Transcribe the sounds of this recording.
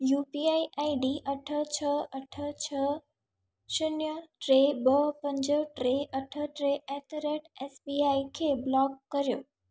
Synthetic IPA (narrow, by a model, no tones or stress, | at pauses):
jupiaiʔaiɖiʔəʈʰət͡ɕʰəəʈʰət͡ɕʰə | ʃunjəʈɾebəpə̃ɲd͡ʑəʈɾeʔəʈʰəʈɾeʔɛt̪ʰəɾeʈesbiaikʰeblɔkːəɾjo